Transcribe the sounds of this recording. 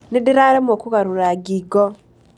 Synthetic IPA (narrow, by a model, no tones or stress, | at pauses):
nidiɾaɾemokuɣaɾuɾaɡiɡɔ